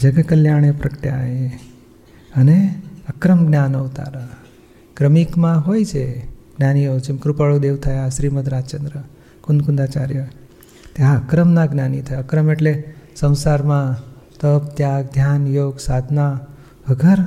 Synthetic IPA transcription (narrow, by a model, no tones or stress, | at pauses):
d͡ʒəɡkəljaɽ̃epɾəkʈja̰e | əneəkɾəmɡnjanout̪a̰ɾa | kɾəmikmãɦojt͡ʃʰeɡ̥naniot͡ʃemkɾupəɭud̪eʋt̪ʰəjaʃɾiməd̪ɾat͡ʃənd̪ɾə | kund̪kund̪at͡ʃaɾjə | t̪jaəkɾəmnãɡnanit̪ʰəjəkɾəmeʈlesə̃w̃saɾmã | t̪əp̚t̪jaɡd̪ʱjanjoɡsad̪ʱna | ʋəɡʱəɾ